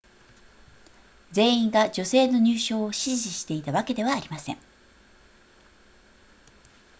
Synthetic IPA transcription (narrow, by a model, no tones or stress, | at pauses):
d͡ze̞ːĩŋɡad͡ʑo̞se̞ːno̞ɲ̟ɨːɕo̞ːoɕiʑiɕi̥t̪e̞it̪aβake̞d̪e̞β̞aːɾʲimasẽ̞̰ŋ